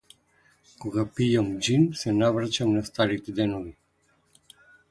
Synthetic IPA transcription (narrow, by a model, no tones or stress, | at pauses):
koɡapijamd͡ʒinsɛnavɾat͡ʃamnast̪aɾit̪ɛd̪ɛnovi